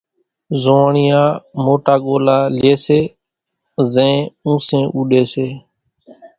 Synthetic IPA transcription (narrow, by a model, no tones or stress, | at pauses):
zoːɳɪjãːmoːʈaːɠoːlaːlɪeːseː | zɛ̃ːũːsẽːʔuːɗeːseː